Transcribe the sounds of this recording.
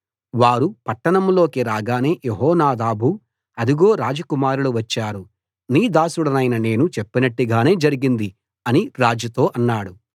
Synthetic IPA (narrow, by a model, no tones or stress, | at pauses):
ʋaːɾupɐʈːɐɳɐmlo̞ːkiɾaːɡaːneːjeɦɔːnaːd̪aːbʱu | ɐd̪iɡo̞ːɾaːd͡ʒɐkumaːɾuluʋɐt͡ʃːaːɾu | niːd̪aːsuɽɐnɐjnɐne̞ːnut͡ʃepːinɐʈːiɡaːne̞ːd͡ʒɐɾiɡind̪i | ɐniɾaːd͡ʒɐt̪o̞ːʔɐnːaːɽu